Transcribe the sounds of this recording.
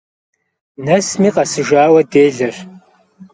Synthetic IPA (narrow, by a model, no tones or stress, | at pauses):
nɐsmiːqɐsɨʒaːwɐdeːɮɐr